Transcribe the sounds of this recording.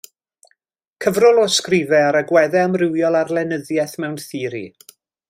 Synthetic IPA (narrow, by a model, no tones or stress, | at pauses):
kʰəvrɔlˠɔskrɪvɛəɾəɡwɛðɛəmrɪwjɔlˠarlɛnəðjɛθmɛwnθiːɾḭ